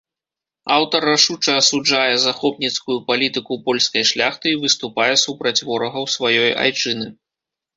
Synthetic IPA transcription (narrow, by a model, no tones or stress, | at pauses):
awt̪ɐraʂut͡ʂɐːsud͡ʐajɛzaxɔpnʲit̪skujupalʲit̪ɨkupɔlʲskɐjʂlʲaxt̪ɨivɨst̪upajɛsupɾɐt͡sʲvɔɾɐɣɐwsvajɔja̰jt͡ʂɨnɨ